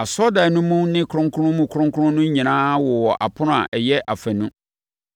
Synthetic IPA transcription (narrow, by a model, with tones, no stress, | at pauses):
a˨sɔ˦da˨nũ˦mũ˦nɪ̃˦kʰʊ̃˦ŋkʰʊ˦ʊ̃˦mũ˨kʰʊ˦ɾʊ̃˦ŋkʰʊ˦ɾʊ̃˦nʊ̃˦ɲĩ˨nãː˦wɔ˨wɔ˨ʔa̰˨pʰʊ˦n˦a̰˨ʔɛ˨jɛ˦ʔa˨fæ˨nũ˦